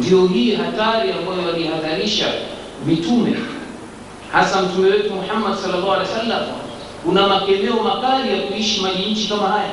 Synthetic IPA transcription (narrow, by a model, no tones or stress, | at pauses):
ndiɔɦiːɦataɾiambajɔalihaðaɾiʃa̰ | mitumɛ̰ | hasam̩tumɛwɛtumuħamːadsɔlːalːaːhwalɛjsalːam | kunamakɛmɛɔmakaɾijakuiʃimaʄiɲ̩t͡ʃikamahaja